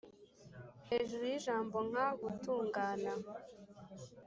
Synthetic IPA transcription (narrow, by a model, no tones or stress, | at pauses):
heːʒuɾujiʒaːmbo̞ŋ̥aɡutuːŋɡaːna